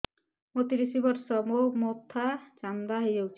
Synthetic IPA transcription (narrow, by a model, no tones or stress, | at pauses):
mot̪iɾisibɔɾsɔmomot̪ʰːat͡ʃamd̪aɦejd͡ʒowt͡ʃʰi̥